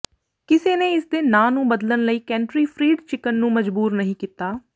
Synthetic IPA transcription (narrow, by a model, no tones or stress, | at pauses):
kɪseːnẽːɪsd̪eːnaːnũːbəd̪lənləiːkɛ̃ːɳʈɾiːpʰɾiːɖt͡ʃɪkənːũːməd͡ʒbuːɾnəɦĩːkiːt̪aː